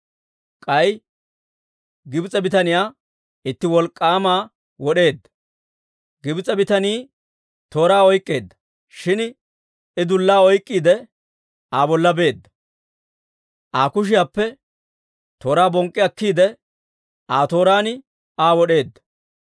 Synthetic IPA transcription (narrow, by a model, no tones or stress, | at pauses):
kʼɐj | ɡɪt͡sʼɛbɪt̪ɐnɪjaː | ɪt̪ːɪwɔlkʼːaːmaː | wɔɗe̞ːd̪ːɐ̥ | ɡɪbɪt͡sʼɛbɪt̪ɐniː | t̪o̞ːɾaːɔjkʼːe̞ːd̪ːɐ̥ | ʃɪn | ɪd̪ʊlːaːɔjkʼːiːd̪ɛ | aːbɔlːɐbe̞ːd̪ːɐ | ʔaːkʊʃ̬ɪjaːpːɛ | t̪o̞ːɾaːbɔŋkʼːɪɐkːiːd̪ɛ | ʔaːt̪o̞ːɾaːnɪ | aːwɔɗe̞ːd̪ːɐ̥